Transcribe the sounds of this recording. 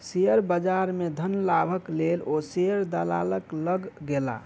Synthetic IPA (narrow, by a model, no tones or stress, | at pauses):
sejəɾbəd͡ʒaɾmed̪ʱənlabʱəklelosejəɾd̪ala̰ləkləɡːela̰